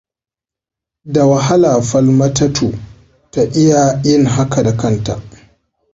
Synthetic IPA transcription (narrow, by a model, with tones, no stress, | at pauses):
da˨wɐ˨ɦa˦laː˨ɸɐ˦lmɐ˦tɐ˦tʰuː˨ | ta˨ʔɪ˦ja˨jɪ˦ŋɦa˦kʰa˨da˨kɐ˦˨nta˨ʔ